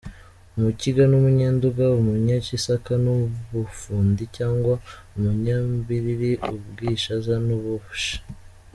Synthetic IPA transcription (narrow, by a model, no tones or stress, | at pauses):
umuciɡanumuɲeːnduɡaumuɲacisakanuβufuːndicaːŋɡwa | umuɲaːmbiɾiɾiubɡiːʃazanuβuβuʃḁ